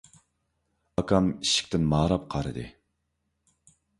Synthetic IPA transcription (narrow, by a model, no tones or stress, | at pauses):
ɑkʰɑmiʃi̥kʲt̪ɪnmɑːɾɑp̚qʰɑɾɨ̰d̪ɨ̰